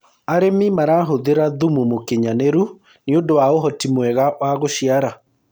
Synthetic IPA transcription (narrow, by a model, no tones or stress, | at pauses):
aɾemimaɾaɦoðeɾaðumumokeɲaneɾu | neondowaoɦɔtimwɛɣaʔwaɣoɕiaɾa